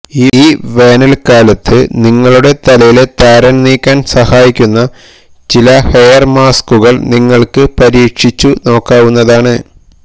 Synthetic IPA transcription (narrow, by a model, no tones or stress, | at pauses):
iiːʋe̞ːnɐlkaːlɐt̪ʰːɨniŋːɐɭuɽe̞t̪ɐlɐjile̞t̪aːɾɐnniːkʲːaːnsɐhaːjikʲːunːɐ | t͡ɕilɐhejɐrmaːskuɣɐɭniŋːɐɭkɨpɐɾiːkʂit͡ɕːuno̞ːkːaːʋunːɐðaːɳɨ